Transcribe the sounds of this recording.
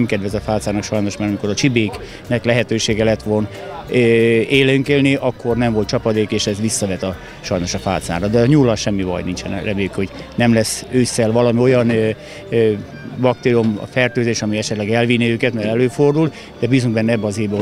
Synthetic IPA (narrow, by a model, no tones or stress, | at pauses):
mkɛd̪ʋɛzɒfaːt̪saːnɒkʃɒjno̞ʃmaːɾɒmiko̞ɾɒt͡ʃibeːk | nɛklɛɦɛt̪øːʃeːɡɛlɛt̪ʋon | eːleyŋkelniʔɒkːo̞rnɛɱvo̞lt̪t͡ʃɒpɒd̪eːkeːʃɛzʋisːɒvɛt̪ɒ | ʃɒjno̞ʃɒfa̰ːt̪sa̰ːɾrɒd̪ɛɲuːlːɒʃɛmːivɒ̰jnint͡ʃɛ̰nrɛbeːkho̞ɟnɛmlɛsøːsːɛlʋɒlɒmio̞jɒn | bɒk̚t̪eːɾiom̰fɛrt̪øːzeːʃɒmiɛʃɛt̪lɛɡɛlvinːiøːkɛt̪mɛɾɛløːfo̞rd̪ul | d̪ɛbiːzuŋɡbɛnːɛɛbːɛɒzeːb